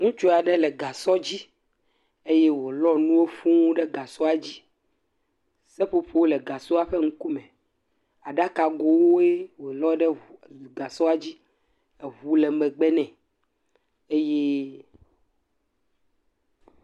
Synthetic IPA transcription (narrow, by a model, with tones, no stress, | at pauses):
ŋũ˦t͡ʃo˦a˨ɖɛ˦lɛ˨ɡa˨sɔ˦d͡ʑi˦ | e˦je˦wo˨lɔ˦nũ˦wo˦fũ˦ɖɛ˦ɡa˨sɔ˦a˨d͡ʑi˦ | sɛ˦ɸo˦ɸe˦wo˦lɛ˨ɡa˨so˦a˦ɸɛ˦ŋ̩˦ku˦mɛ̃˨ | a˨ɖa˦ka˨ɡo˨wo˦e˦wo˨lɔ˦ɖɛ˦˨ɡa˨sɔ˦a˨d͡ʑi˦ | ɛ˨βu˦le˨mɛ̃˨ɡ͡bɛ˦nɛ̃˨ | e˦je˦